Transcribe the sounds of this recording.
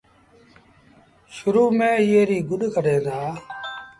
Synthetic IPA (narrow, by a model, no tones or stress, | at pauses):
ʃʊɾuːmẽːɪːeːɾiːɡʊɗkʰəɖeːd̪aː